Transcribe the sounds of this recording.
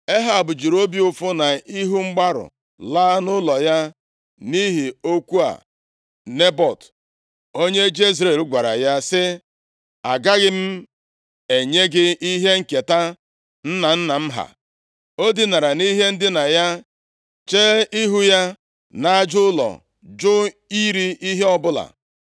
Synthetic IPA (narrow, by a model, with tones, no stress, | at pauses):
e˦ɦa˨bʊ˨d͡ʒi˨ɾo˦bi˦ʊ˦fʊ˦na˨i˦ɦu˦ŋ͡m̩˦ɡ͡ba˦ɾʊ̰˨ | laː˦nʊ˦lɔ˨ja˦ | ni˦ɦi˨o˦kʷu˦a̰˨ | ne˦bɔ˨t | o˦ɲe˦d͡ʒe˦i˦zɾe˦˨lɡʷa˨ɾa̰˨ja˦sɪ˦ | a˨ɡa˦ɡɪ˦m̩˦ | e˨ɲe˦ɡɪ˦i˦ɦe˦ŋ̩˦˨ke˨ta˦ | n̩˦na˨n̩˦na˨m̩˦ɦa̰˨ | o˦di˦na˨ɾa˨ni˦ɦe˦n̩˦dɪ˦na˨ja˦ | t͡ʃeː˦i˦ɦu˦ja˦ | na˦d͡ʒʊ˦ʊ˦lɔ̰˨ | d͡ʒʊ˦ | i˦ɾi˦ʔi˦ɦe˦ɔ˦bʊ˦la̰˨